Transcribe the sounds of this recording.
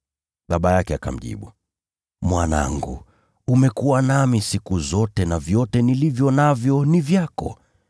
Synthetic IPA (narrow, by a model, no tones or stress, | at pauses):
ɓaɓajakɛaka̰m̩ʄḭɓu | mwana̰ŋɡṵ | umɛkuwanamisikuzɔtɛnavjɔtɛnilivjɔnavjɔnivjakɔ̰